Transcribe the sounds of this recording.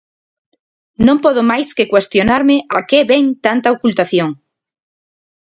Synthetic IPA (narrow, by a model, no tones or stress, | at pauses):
nõmpɔðomajskekwest̪jonaɾmeʔakeβeŋt̪ant̪aokult̪aθjoŋ